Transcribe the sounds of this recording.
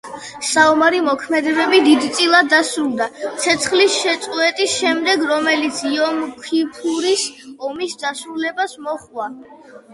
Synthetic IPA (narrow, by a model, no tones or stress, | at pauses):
saɔmaɾimɔkʰmɛd̪ɛbɛbid̪id̪it̪sʼilˠad̪ːasɾulˠd̪at̪sʰɛt̪sʰχlisʃɛt̪sʼwɛt̪ʼisʃɛmd̪ɛɡɾɔmɛlit̪sʰiɔmkʰipʰuɾisɔmisd̪asɾulɛbasmɔχwa